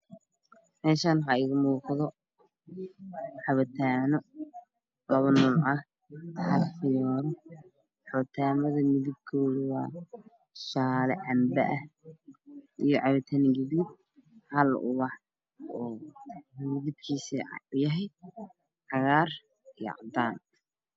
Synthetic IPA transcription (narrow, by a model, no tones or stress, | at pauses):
mɛːʃaːnɦɐɪɣʊmuːqðɔ | ħɑβɐt̪ʰaːnɔ | lɐβɐnuːlɑh | ħɑlfɪjɔːɾ | ħɑβɐt̪ʰaːmɐðɐmɪðɪb̚kʰɔːðɪwɑː | ʃaːlɛʕɑmbɐʔɐh | ʔijɔʕɑβɐt̪ʰɐnɡɪðɪb̚ | hɐlʊ̰wɑħ | ɔː | mɪðɪb̚kʰiːsḭʊjɐɦɛj | ʕɑɣaːr | ij̰ʕɑd̪aːn